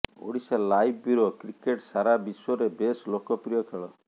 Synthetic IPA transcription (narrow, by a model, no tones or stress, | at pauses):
o̰ɽisalajbbiɾokɾikeʈsaɾabisɔɾebeslokɔpɾijɔkʰeɭɔ